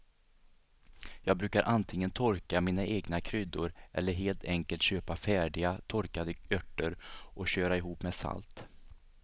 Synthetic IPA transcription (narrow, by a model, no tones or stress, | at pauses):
jɑːɡ̚bɾʉ̟ːkaɾʔant̪ʰɪŋːənt̪ʰɔɾkamiːnaʔeːɡnakʰɾʏd̪ːʊɾʔɛ̰lːəɾɦeːlt̪ʰɛŋkəlt̪ɕøːpafæːɖɪɡat̪ʰɔɾkad̪əœʈːəɾʔɔɕøːɾaɛɦuːpmɛsa̰lt̪